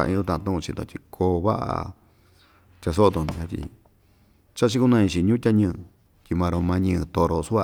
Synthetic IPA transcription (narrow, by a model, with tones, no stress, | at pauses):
a̰˧ḭ̃˧˦d̪ũ˧t̪ã˧t̪ũ˦ʔũ˧t͡ʃi˧t̪õ̰˧t̪ʲi˧kʰoː˧βa̰˦ʔa̰˧ | t̪ʲa˧s̬o˦˧t̪o˧˨nũ˧a˧t̪ʲḭ˧ | t͡ʃa˦t͡ʃi˦ku˦nã˦˧ĩ˧t͡ʃi˧ɲũ˦tʲa˦ɲɨ̃ː˦˧ | t̪ʲi˧mã˧ɾo˧mã˧ɲɨ̃˧t̪o˧˨ɾo˧su˦a˧